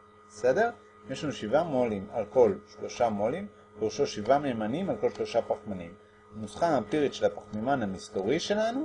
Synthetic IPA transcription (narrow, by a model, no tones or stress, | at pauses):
bese̞de̞ʁ | jeʃlanuʃivamolimalko̞lʃlo̞ʃamolim | beuʃoʃivameːmanimalko̞lʃlo̞ʃapaχmanim | nusχaːmpiʁitʃe̞lapaχmimanhamisto̞ʁiʃe̞lanu